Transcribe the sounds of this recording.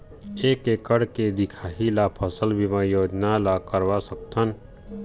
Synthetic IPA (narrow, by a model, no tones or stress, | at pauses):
eːkekəɽked̪ɪkʰaːɦilapʰəsəlbʱimãjoːd͡ʒnalakəɾʋasək̚t̪ən